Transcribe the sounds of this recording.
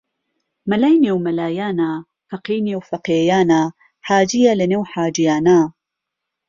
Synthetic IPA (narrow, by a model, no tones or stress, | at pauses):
mɐlajnewmɐlaːjaːna | faqiːnewfɐqejaːnaː | ħaːd͡ʒijalɐnewħaːd͡ʒijaːnaː